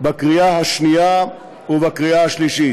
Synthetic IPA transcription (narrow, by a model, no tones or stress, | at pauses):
bakʁiaɦaʃnija | uvakʁiaaʃliʃi